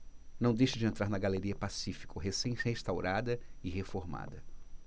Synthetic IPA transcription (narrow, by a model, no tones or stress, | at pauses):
nɐ̃w̃d̪ejʃɪd͡ʒɪẽnt̪ɾaɾnɐɡaleɾiɐpasifi̥kʊɦesẽj̃t͡ʃɪhest̪awɾʔad̪ɐɪɦefoɾma̰d̪ɐ